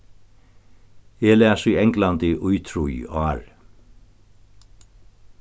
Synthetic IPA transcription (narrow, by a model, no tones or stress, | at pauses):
ɛlɛːsiɛŋklant̪ɪʔujt̪ʰɾujaːɾ